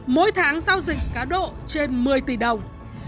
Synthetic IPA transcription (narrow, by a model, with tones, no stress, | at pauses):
mo̰˧˦jt̪ʰaː˨˦ŋzaː˧wzï˨˩ŋ̟̚kaː˨˦ɗo̰˧˨t͡ɕe˧nmɨ˨˩əjt̪i˧˩ɗə˨˩wŋ͡m